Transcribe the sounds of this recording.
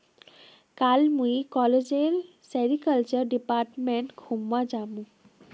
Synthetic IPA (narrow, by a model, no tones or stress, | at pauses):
kalmujkɔled͡ʑel | sɛɾikəlt͡ʃɔɾɖipaɾʈmeɳʈkʰumwad͡ʒamũ